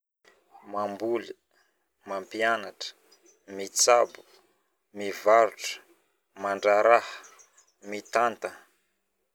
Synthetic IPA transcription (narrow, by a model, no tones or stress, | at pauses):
mambuli | mampianaʈ͡ʂə̥ | mit͡sabu̥ | mivaɾuʈ͡ʂə̥ | maɳɖ͡ʐaɾahə̥ | mit̪ant̪ə